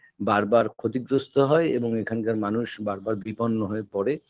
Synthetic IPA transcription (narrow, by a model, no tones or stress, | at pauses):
baɾbaɾkʰot̪iɡɾost̪ʰoɦɔeeboŋekʰankaɾmanuʃbaɾbaɾbiponːoɦɔepɔɾe